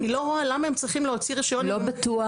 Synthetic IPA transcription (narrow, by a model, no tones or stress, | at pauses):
nilo̞ʁoalamaemt͡ssʁiχimleot͡siʁiʃajolobat̪ua